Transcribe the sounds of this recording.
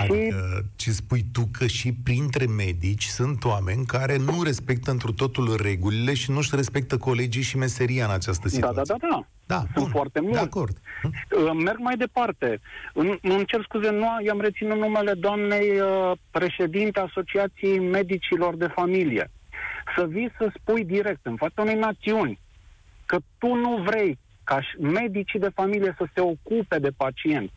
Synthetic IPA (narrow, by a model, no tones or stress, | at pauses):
adʃiət͡ʃespujt̪ukʰəʃipɾint̪ɾe̞me̞d̪it͡ʃʲsunt̪oame̞nʲkaɾe̞nuɾe̞spe̞k̚t̪əɨnt̪ɾut̪o̞t̪ulre̞ɡulile̞ʃinuʃre̞spe̞k̚t̪əko̞le̞d͡ʒijʃime̞se̞ɾiaɨnat͡ʃast̪əsid̪ad̪ad̪ad̪a | d̪asunt̪foart̪e̞mueako̞rd̪̥əme̞rɡmajd̪e̞part̪e̞ɨnmənt͡ʃe̞ɾskuzenuajoamre̞t̪sinunːume̞le̞d̪oamne̞jəpɾe̞ʃe̞d̪int̪easo̞t͡ʃiat̪sijejme̞d̪it͡ʃilo̞rd̪e̞familije̞̰səvijsəspujd̪iɾe̞k̚t̪ɨnfat̪saune̞jnat̪siunʲ | kət̪unuvɾe̞j | kaʃme̞d̪it͡ʃid̪e̞familije̞səse̞o̞kupe̞d̪e̞pat͡ʃie̞nt̪ʲ